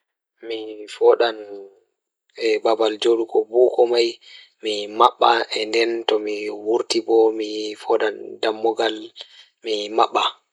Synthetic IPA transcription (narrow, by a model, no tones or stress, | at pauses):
mifɔɗan | ɛbabald͡ʒoɗukɔbukɔmaj | mimaɓːaʔɛndɛntɔmiwuɾtibɔmifɔɗandamːɔɡal | mimaɓːa